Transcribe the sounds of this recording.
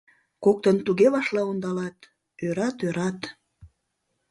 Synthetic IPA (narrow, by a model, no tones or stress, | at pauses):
kok̚t̪ənt̪uɣeβɑʃlɑond̪ɑlɑt̪ | øɾɑt̪øɾɑt̪